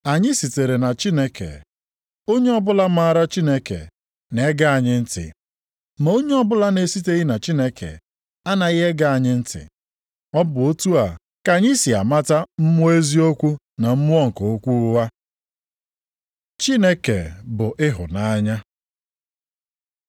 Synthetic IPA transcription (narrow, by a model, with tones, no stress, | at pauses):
a˨ɲɪ˦si˨te˨ɾe˨na˨t͡ʃi˦ne˦kḛ˨ | o˦ɲe˦ɔ˦bʊ˦la˦m̩˦a˦a˦˨ɾa˦t͡ʃi˦ne˦kḛ˨ | ne˨˦ɡa˦a˨ɲɪ˦n̩˦tɪ̰˨ | ma˨˦o˦ɲe˦ɔ˦bʊ˦la˦ne˨si˦te˦ɣɪ˦na˨t͡ʃi˦ne˦kʰḛ˨ | a˦na˨ɪ˦ɦe˦ɡa˦a˨ɲɪ˦n̩˦tɪ̰˨ | ɔ˦bʊ˨o˦tu˦a˨ | ka˨ɲi˦si˨a̰˨ma˦ta˦m̩˦mʊ˦e˦zi˦o˦kʷu˦ | na˨m̩˦mʊ˦ɔ˦ŋ̩˨ko˨o˦kʷu˦wa˦ | t͡ʃi˦ne˦kḛ˨bʊ˨ʔɪ˦ɦʊ̰˨na˦ɲa˦